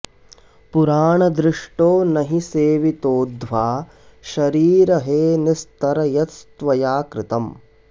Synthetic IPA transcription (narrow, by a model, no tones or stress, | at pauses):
puɾaːɳɐd̪ɾɪʂʈoːnɐɦiseːʋit̪oːd̪ʱʋaː | ʃɐɾiːɾɐɦeːnist̪ɐɾɐjɐt̪st̪ʋɐjaːkɾɪt̪ɐm